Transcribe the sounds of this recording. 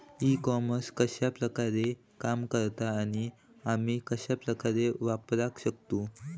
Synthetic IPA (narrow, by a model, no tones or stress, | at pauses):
ikɔməskəɕapɾəkaɾe | kamkəɾt̪aːɽ̃i | amiːkəɕapɾəkaɾeʋapɾakɕəkt̪u